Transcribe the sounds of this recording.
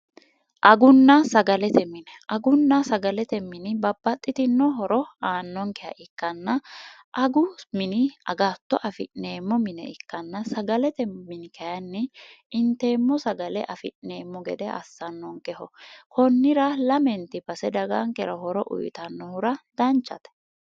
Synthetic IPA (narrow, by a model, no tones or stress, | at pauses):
ʔɐɡʊnːɐsɐɡɐlɛt̪ɛmɪnɛʔɐɡʊnːɐsɐɡɐlɛt̪ɛmɪnɪbɐbːɐt̪ʼːɪt̪ɪnːɔɦɔɾɔaːnːɔŋkɛjɐ̰ʔɪkːɐnːɐʔɐɡʊmɪnɪɐ̰ɡaːt̪ːɔʔɐfɪʔneːmːɔmɪnɛ̰ɪkːɐnːɐsɐɡɐlɛt̪ɛmɪnɪkʰɐjɐnːɪ | ɪnt̪e̞ːmːɔsɐɡɐlɛʔɐfɪʔneːmːɔɡɛd̪ɛʔɐ̰sːɐnːɔŋkɛhɔkʰɔnːɪɾɐlɐmɛnt̪ɪbɐsɛd̪ɐɡɐŋkɛɾɐɦɔɾɔʔʊ̰jt̪ɐnːɔhʊɾɐd̪̥ɐnt͡ʃːɐt̪ɛ̥